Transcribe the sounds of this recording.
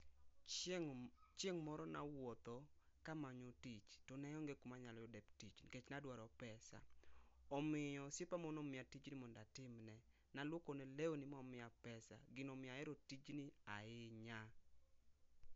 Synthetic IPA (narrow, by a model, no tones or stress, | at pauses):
t͡ʃeŋmɔɾɔnawɔt̪o | kamaɲotit͡ʃtɔnɛjɔŋɡekumaɲalɔjodɛptit͡ʃket͡ʃnadwaɾɔpɛsa̰ɔmɪɔsepamonomɪatit͡ʃnɪmɔndatɪmnɛ | nalwokonɛleonɪmɔmɪapɛsa̰ɡɪnomɪaɛɾotit͡ʃnɪaɪɲa